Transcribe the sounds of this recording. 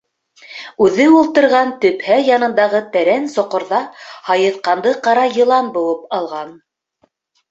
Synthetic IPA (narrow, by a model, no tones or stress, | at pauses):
ʉðɘulˠt̪ɤ̆ɾʁɑnt̪ɵ̆phæjɑnɤ̆nd̪ɑʁɤt̪æɾænsŏqŏɾðɑhɑjɤ̆θqɑnd̪ɤqɑɾɑjɤ̆lˠɑnbŭwɤpɑlˠʁɑn